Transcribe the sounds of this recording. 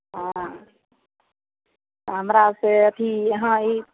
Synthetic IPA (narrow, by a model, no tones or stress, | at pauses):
ɦã | kamɾaseət̪ʰiɦãi